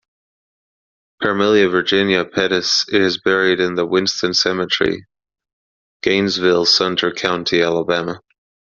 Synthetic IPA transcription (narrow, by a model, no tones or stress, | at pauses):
pʰə˞mɪlˠjɨvə˞d͡ʒɪ̃njɨpʰɛɾɨsɪɾɨzbɛɹiɾɨ̃nðəwɪ̃nstə̃nsɛmɨt͡ʃɹ̥ḭ | ɡ̥ẽɪ̃nzvɪlˠsɛ̃ntʰə˞kʰãʊ̃ntʰiælˠəbæmə